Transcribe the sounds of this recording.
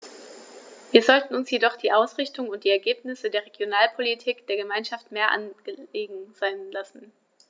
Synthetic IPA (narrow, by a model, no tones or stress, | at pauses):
viːɐzɔltn̩ʊnsjedɔχd̥iːʔaʊsʁ̥ɪçtʊŋʊntd̥iːɛɐɡeːpnɪsədeːɐʁ̞eɡjonaːlpʰolitʰiːkd̥eːɐɡəmaɪnʃaftmeːɐʔa̰nɡ̥əeːɡŋ̩z̥aɪnlasn̩